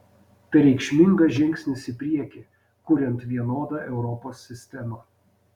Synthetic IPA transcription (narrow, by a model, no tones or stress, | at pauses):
pʲɛɾʲɛɪkʃʲmʲɪŋɡɐʒʲɪŋʲksʲnʲɪsɪpʲɾʲiɛkʲi | kʊɾʲɛnt̪ʋʲiɛnoːd̪ɑːʔɛʊɾɔpoːsʲːɪsʲt̪ʲɛmɑ